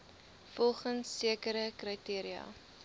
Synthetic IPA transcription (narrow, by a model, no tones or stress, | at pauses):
fɔlˠχənsːiəkəɾəkrətiəɾiɑ̰